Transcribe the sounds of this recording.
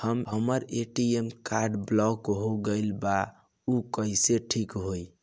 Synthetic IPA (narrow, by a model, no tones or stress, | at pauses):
həmɦəməɾeʈiemkaɾɖblɔkɦoɡəɪlba | ukəiseʈʰikɦoj